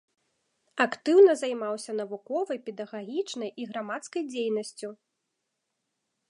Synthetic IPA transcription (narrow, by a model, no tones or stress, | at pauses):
ɐkt̪ɨwnɐzajmawsʲɐnɐvukɔvɐjpʲɛd̪ɐɣaɣʲit͡ʂnɐjiɣɾamat̪skɐjd͡zʲejnɐsʲt͡sʲu